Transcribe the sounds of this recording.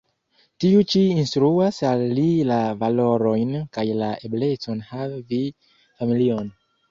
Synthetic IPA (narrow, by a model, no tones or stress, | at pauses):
tiut͡ʃiinstɾuasalːilavalo̞ɾo̞jnkajlaʔeble̞t͡sonhavvi | familion